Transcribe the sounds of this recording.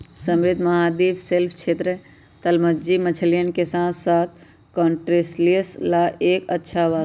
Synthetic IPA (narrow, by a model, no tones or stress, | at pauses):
səmɾɪd̪ʱmɐɦaːd̪iːbʰselpʰt͡ʃʰeːt̪ɾə | t̪əlməd͡ʒimət͡ʃʰəlijənkesãːsaːt̪̚ʰ | kɔːɳʈɾeslijəslaʔeːkətːʃʰaʋa